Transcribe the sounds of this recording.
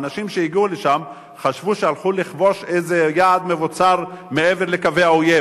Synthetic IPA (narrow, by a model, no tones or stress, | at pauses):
naʃimʃeiɡiuleʃam | χaʃvuʃealχuliχvo̞ʃejzejaːd̪mevot͡saʁme̞eveʁlekaveaoje